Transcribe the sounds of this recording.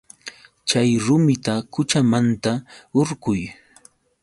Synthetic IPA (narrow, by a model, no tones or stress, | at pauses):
t͡ʃajɾʊmɪt̪akʊt͡ʃamant̪aoɾɢʊj